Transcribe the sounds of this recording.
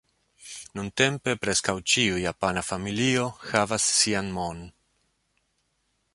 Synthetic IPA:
nunte̞mpe̞pɾe̞skawt͡ʃiujapanafamilio̞xavasːianmo̞n

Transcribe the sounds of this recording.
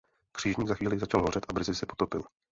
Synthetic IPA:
kr̥iːʒɲiːɡzaxiːlɪzat͡ʃalɦorɛt̪ʔabr̩zɪsɛpot̪o̞pɪ̰l

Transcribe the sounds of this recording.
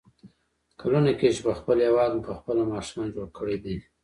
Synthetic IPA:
kʰalunaket͡ʃepəxpəljawɑd̪mpəxpəlamɑʃumɑnd͡ʒoɽkʰəɽed̪i

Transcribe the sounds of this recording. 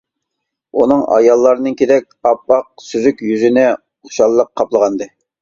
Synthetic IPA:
unɨŋɑ̰jɑlˠːɑɾɨnɨnkʲʰed̪ɛkʲɑpːɑq̚syzykʲjyzynɛ | ʊχʃɑlˠːəqʰːɑplˠəʁɑnd̪ɨ

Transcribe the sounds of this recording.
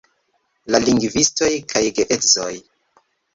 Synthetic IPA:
laliŋɡvisto̞jkʰajɡeʔetzoj

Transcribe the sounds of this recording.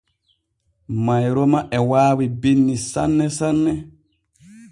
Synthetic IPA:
majɾɔmaʔɛwaːwibinːisa̰nːɛsanːɛ

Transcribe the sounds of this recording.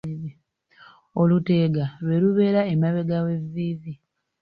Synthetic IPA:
olute̞ɡaβe̞luβe̞ːɾaemaβe̞ɡawe̞viːvi

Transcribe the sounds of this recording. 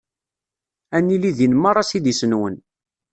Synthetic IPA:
ænːiliðjənmɑɾˤɑsid̪isənwən

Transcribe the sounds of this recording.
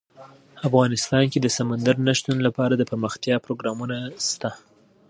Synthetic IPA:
afɣɑnɪst̪ɑnked̪əsamand̪aɾnaʃt̪unlapɑɾad̪əpəɾməxt̪jɑpɾoɡɾɑmunast̪a

